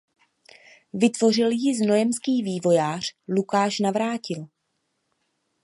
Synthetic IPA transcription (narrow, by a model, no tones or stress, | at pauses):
vɪt̪vo̞r̝ɪljɪzno̞jɛmskiːviːvo̞jaːr̝̥lukaːʃnavɾaːcɪl